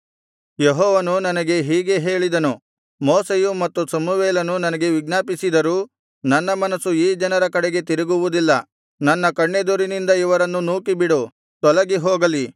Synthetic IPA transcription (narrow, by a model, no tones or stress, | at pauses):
jeɦɔːʋɐnunɐnɐɡe̞ɦiːɡe̞ɦe̞ːɭid̪ɐnu | moːsejumɐt̪ːusɐmuʋeːlɐnunɐnɐɡe̞ʋiɡnaːpisid̪ɐɾuː | nɐnːɐmɐnɐsuiːd͡ʒɐnɐɾɐkɐɽeɡe̞t̪iɾiɡuʋud̪ilːɐ | nɐnːɐkɐɳːed̪uɾinind̪ɐiʋɐɾɐnːunuːkibiɽu | t̪ɔlɐɡiɦɔːɡɐli